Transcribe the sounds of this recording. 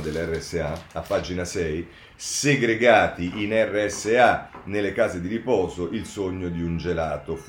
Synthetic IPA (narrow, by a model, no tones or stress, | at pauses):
d̪elɛrːeɛsːeaapːad͡ʒinasɛj | seɡɾeɡaːt̪iʔinɛrːeɛsːeanelːekaːzed̪iɾipɔːzoʔilsoɲːod̪iund͡ʒelaːt̪of